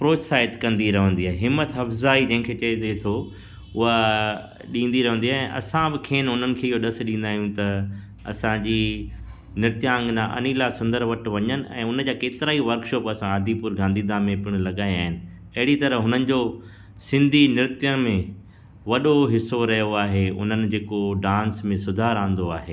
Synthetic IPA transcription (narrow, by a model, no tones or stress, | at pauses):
pɾoːt͡ɕsaːɪt̪kɐ̃nd̪iɾɐʋə̃nd̪iɦaːɦeɦɪmət̪ɦɐfzaːid͡ʑɐ̃ɦɪ̃kʰeːt͡ɕɐed̪et̪ʰo | ʊɦa | ɗĩːnd̪iɾɐɦə̃nd̪iaːɦɛ̃ʔɐ̰sãbɪkʰeːnɦʊnənɪ̆kʰeːɪɦoɗɐs̆ɗĩːnd̪aːɦijũt̪ɐ | ɐ̰sãd͡ʑiː | nɪɾt̪jãːŋɡnãʔɐ̰niːlasʊ̃nd̪əɾʋɐʈʋɐɲənɪ̆ɛ̰̃ːʊnəd͡ʑaːkeːt̪ɪɾaːiʋɐɾkʃɔːpɐsãaːd̪ʱipuːɾɡãːnd̪iːd̪ʱãmẽpɪɽ̃̆lɐɠaːĩaːɦɪnɪ̆ | ɐɦɪɽit̪ɐɾəɦʊnənɪ̆d͡ʑo | sɪ̃nd̪ʱinɪɾt̪jəmẽ | ʋɐɗoɦɪsoɾɐɦjoaːɦeʊ̰n̤ənɪ̆d͡ʑeːkoɖãːnsmẽsʊd̪ʱaːɾãːnd̪oaːɦeː